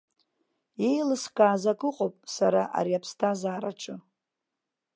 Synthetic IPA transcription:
je̞jlɨskʼaːzakʼʊqʼopʼsaɾaʔa̰ɾiapʰstʰazaːɾaʈ͡ʂʰɨ

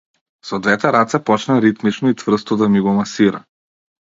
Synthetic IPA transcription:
sɔd̪vɛt̪ɛɾat̪sɛpɔt͡ʃnaɾit̪mit͡ʃnɔit̪vr̩st̪ɔd̪amiɡɔmasiɾa̰

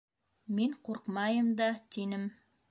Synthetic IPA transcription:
miɴquɾqmɑjɤmd̪ɑt̪inɘm

